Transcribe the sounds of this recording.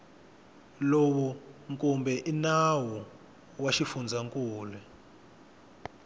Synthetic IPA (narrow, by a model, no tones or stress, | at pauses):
lowuŋkʼumbɛʔinawu | waʃifund͡zʱaŋkʼuːlɛ